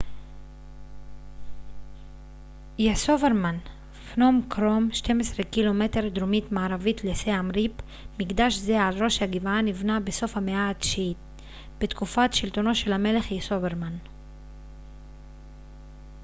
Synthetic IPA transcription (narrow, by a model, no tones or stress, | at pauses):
jesoveɾman | fnomkɾomʃte̞mesʁekilo̞meteɾd̪ɾomit̪maːɾavitleseamɾip | miɡd̪aʃzealɾo̞ʃhaɡivanivnabeso̞fhameaːdʃit̪̚ | b̥et̪kufatʃilt̪o̞no̞ʃe̞lhame̞le̞χjesoveɾman